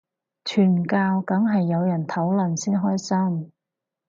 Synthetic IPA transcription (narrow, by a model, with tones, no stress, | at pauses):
t͡ʃʰyː˨˩nkaː˧wkɐ˨˥ŋɦɐ˨jːɐ˨˧wjɐ˨˩nt̪ʰɐ˨˥wlɐ˨˩nsiː˥nɦɔː˥jsɐ˥m